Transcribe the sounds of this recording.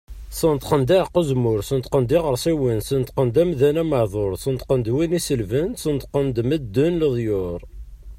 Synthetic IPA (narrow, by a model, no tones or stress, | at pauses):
sənt̪qənd̪æʕqːəzmʊɾsənt̪qənd̪iʁəɾˤsˤiwinsənt̪qənd̪æmðænæməʕðˤoɾˤsənt̪qənd̪winisəlvənsənt̪qənd̪məd̪ːʊnləðˤjʊɾˤ